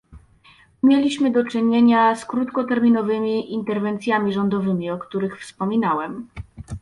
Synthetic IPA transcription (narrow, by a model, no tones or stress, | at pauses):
mʲjelʲiɕmɘd̪ɔt͡ʂɘɲeɲaskɾut̪kɔt̪ɛɾmʲinɔvɘmʲiʔint̪ɛɾvɛnt̪sʲjamʲiʐɔnd̪ɔvɘmʲiɔkt̪uɾɘxfspɔmʲinawɛm